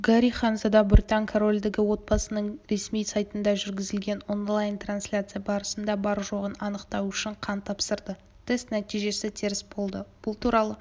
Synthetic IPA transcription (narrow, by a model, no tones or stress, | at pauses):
ɡaɾʲiχɑnzad̪ɑbʊrʲt̪ɑŋkʰoɾo̞lʲd̪eɡʲɪwo̞t̪̚bɑsənəɴɾe̞smijsajt̪ənd̪ɑʒʏɾɡʲɪzɪlɡʲe̞no̞nlˠajnt̪ranslʲat̪sɨjabɑɾəsənd̪ɑbɑɾʒo̞ʁənɑnəqt̪ɑwʏʃɪɴqʰɑnt̪ʰːɑpsəɾd̪ə | t̪ʰe̞st̪næt̪ijʒe̞sɪt̪ʰeɾɪsbo̞lˠd̪əb̥ʊlˠt̪ʰuɾɑlˠə